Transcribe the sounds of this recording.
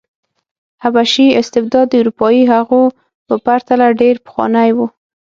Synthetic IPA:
habaʃiɪst̪ɪb̚d̪ɑd̪ːəuɾupɑjiɦaɣo | pəpaɾt̪alaɖeɾpxwɑ̰najwu

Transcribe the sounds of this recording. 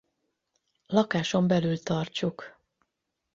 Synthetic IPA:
lɒkaːʃo̞mbɛlylt̪ɒrt͡ʃuk

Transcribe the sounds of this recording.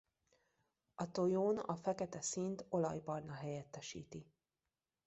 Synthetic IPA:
ɒt̪o̞joːnɒ̰fɛkɛt̪ɛsint̪o̞lɒjbɒrnɒɦɛjɛt̪ːɛʃḭːt̪i

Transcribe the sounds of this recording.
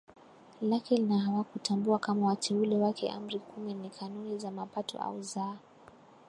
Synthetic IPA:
lakɛlnaɦawakutʰambuakamawatʰɛulɛwakʰɛ̰ʔa̰m̩ɾikuminikʰanunizamapatʰɔ̰ʔa̰uza

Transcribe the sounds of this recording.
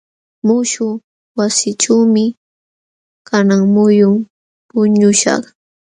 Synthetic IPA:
mʊʃʊ | wasɪʈ͡ʂawmɪ | kanaŋmʊjʊŋ | pʊɲʊʃɑ̰χ

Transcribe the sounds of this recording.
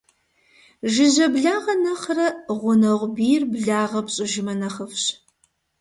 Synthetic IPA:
ʒɪʑɐbɮaːʁɐnɐχrɐʁʷʊnɐʁʷʊbiːrbɮaːʁɐpɕʼɪʒɪmɐnɐχɐfɕ

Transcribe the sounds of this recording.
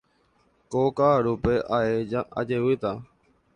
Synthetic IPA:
kokaːɾupe̞ʔaed͡ʒaa̰d͡ʒe̞wɨt̪a

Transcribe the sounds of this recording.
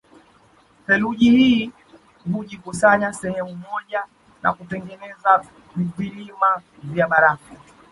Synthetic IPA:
hɛluʄihiː | huʄikusaɲasɛhɛmumɔʄa | na̰kutɛŋɡɛnɛza | vilimavjaɓaɾaka

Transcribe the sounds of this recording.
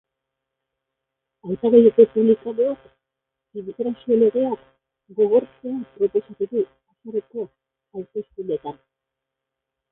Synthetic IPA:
ajt̪aɣejeko̞puβlikaðoak | imit̪eɾasiole̞ɣe̞ak | ɡo̞ɣ̞o̞ɾt͡se̞apɾo̞po̞sat̪uðu | asareko̞ | aɾt̪eskulet̪an

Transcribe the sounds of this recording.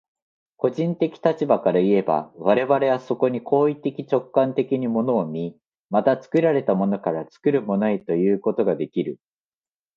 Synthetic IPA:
ko̞ʑĩnt̪e̞kʲi̥t̪at͡ɕibakaɾaie̞ba̰β̞aɾe̞βaɾe̞βaso̞ko̞ɲ̟ikʰo̞ːit̪ːe̞kʲit͡ɕo̞kːãnt̪e̞kʲiɲ̟imo̞no̞ːmʲi | mat̪at͡sɨ̥kɯ̟ɾaɾe̞t̪amo̞no̞kaɾat͡sɨ̥kɯ̟ɾɯ̟mo̞noet̪o̞jɯ̟ːko̞t̪o̞ɡad̪e̞kʲiɾɯ̟

